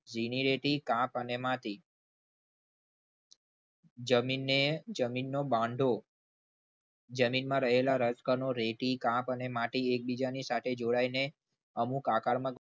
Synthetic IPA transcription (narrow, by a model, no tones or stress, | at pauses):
d͡ʒiniɾeʈikãpənemat̪i | d͡ʒəminːed͡ʒəminːobãɳɖʱo | d͡ʒəminmãɾəɦelaɾət͡ʃkəɾnoɾeʈikãpənemãʈiek̚bid͡ʒanisat̪ʰed͡ʒoɽaine | əmukakaɾmə̃